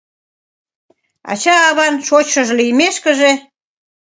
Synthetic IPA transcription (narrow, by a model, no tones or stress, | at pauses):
ɑ̰t͡ɕɑːβɑnʃot͡ɕʃəʒlyjmeʃkə̆ʒe